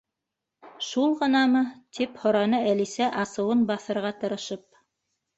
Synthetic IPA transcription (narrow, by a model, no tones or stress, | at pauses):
ʃulˠʁɤ̆nɑmɤt̪ʰiphŏɾɑnɤælisæʔɑsɤ̆wɤnbɑθɤ̆ɾʁɑt̪ɤ̆ɾɤ̆ʃɤp̚